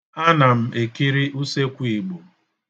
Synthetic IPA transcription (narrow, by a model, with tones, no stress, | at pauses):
a˦na˨m̩˨ʔe˨ki˦ɾi˦ʔu˦se˦kʷii˨ɡ͡bo˨